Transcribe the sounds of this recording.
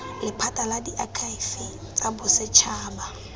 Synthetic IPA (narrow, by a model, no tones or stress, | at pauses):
lɪpʰatʼaladiʔakʰaifi | t͡sʼabʊsɛt͡ʃʰaːba